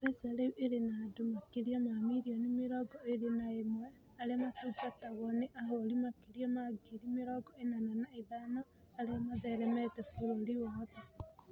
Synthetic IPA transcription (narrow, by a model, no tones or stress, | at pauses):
ɛsaɾeuʔeɾenadomakiɾiamamiɾiɔnemeɾɔɡɔeɾenaemwɛ | aɾeamatukataɣɔneʔaɦoɾimakiɾiɔmaɡiɾimeɾɔɡɔenananaeðanɔ | aɾeamaðɛɾɛmɛtɛfoɾoɾiwɔða